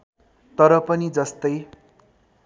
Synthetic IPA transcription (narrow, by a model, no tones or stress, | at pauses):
t̪ʌɾʌpʌnid͡zʌst̪ʌj